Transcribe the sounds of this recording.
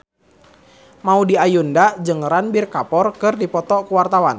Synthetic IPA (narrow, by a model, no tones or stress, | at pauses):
maudiajundad͡ʒɨŋranbirkapɔrkɨrdipɔt̪ɔkuwart̪awan